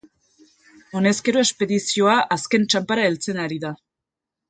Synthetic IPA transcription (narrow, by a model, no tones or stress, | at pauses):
o̞ne̞ske̞ɾo̞e̞spe̞ðisio̞aʔaske̞nt͡ʃampaɾae̞lt͡se̞naɾiða